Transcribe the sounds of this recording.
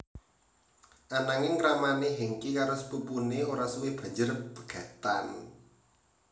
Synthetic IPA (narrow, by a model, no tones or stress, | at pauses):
ʔanaŋɪŋɾamaneɦiŋkikaɾʊspupuneoɾasuwɪb̥a̤ɲd͡ʒərpə̥ɡ̥a̤t̪an